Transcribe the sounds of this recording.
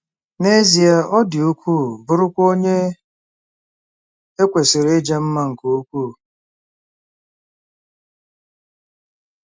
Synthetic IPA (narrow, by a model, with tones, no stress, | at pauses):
ne˦zi˨a˨ʔɔ˦dɪ˨u˦kʷu˦˨bʊ˦ɾʊ˦kʷo˦ɲe˦ | e˦kʷe˨sɪ˨ɾe˦d͡ʒa˦m̩˦ma˦ŋ̩˨ko˦kʷuː˦˨